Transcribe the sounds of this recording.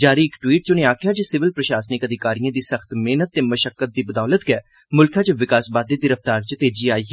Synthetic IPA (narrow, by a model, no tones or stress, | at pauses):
d͡ʒaːɾiːɪkʈwiːʈ̚t͡ʃʊnẽːaːkʰjaːd͡ʒəsɪʋɪlpɾəʃaːsənɪkəd̪ɪkaːɾijãːd̪iːsəxt̪meːnət̪ːeːməʃəkːət̪̚d̪iːbəd̪aːlət̪ɡɛː | mʊlkʰãːt͡ʃʋɪkaːsbaːd̪eːɡ̪ɪɾəft̪aːɾt͡ʃət̪eːd͡ʒiːaːiːɦɛ